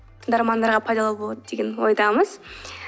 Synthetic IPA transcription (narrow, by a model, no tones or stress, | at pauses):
d̪ɑɾmɑnd̪ɑɾʁɑpʰɑjd̪ɑlˠɑbo̞lˠɑd̪əd̪e̞ɡʲenwojd̪ɑməz